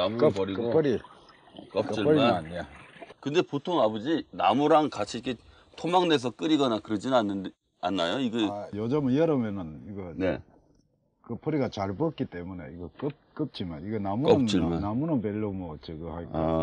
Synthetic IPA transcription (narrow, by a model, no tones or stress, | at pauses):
namupʌɾiɡkpʰʌɾi | k͈ʌiɾianːakɯnde̞potʰoŋabʌd͡ʑina̰muɾaŋkat͡ɕʰiikʰe | tʰomaŋde̞s̬ʰʌk͈ɯɾiɡʌnakɯɾʌd͡ʑinɯanːɯ | anːajoiɡejʌd͡ʑʌmɯjʌɾʌmjʌnɯniɡʌne | kɯpʰʌɾiɡat͡ɕaɭbʌk͈it͈e̞mune̞iɡʌk͈ɯp̚k͈ɯp̚t͡ɕ͈imaniɡenamunt͡ɕianamunobeɭːomʌt͡ɕeɡɯhaio